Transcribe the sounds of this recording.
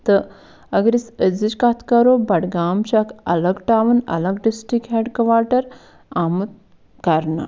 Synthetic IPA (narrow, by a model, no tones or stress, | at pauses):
t̪ə | ɐɡɾisəd͡zit͡ɕkat̪ʰkɐɾobɐɽɡaːmɕakɐləɡʈaʋunɐ̰ləɡɖisʈɾikɦɛɖkəʋaʈəɾ | amut̪̚ | kaɾna̰